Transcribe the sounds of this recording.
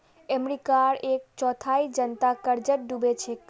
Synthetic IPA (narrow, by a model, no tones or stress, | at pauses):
emɾikaɾek̚t͡ʃɔt̪ʰaid͡ʒənt̪akəɾd͡ʒəʈ̚ɖubet͡ʃʰe